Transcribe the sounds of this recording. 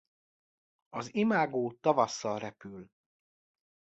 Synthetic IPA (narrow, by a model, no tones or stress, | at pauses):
ɒzimaːɡoːt̪ɒvɒsːɒlrɛpyl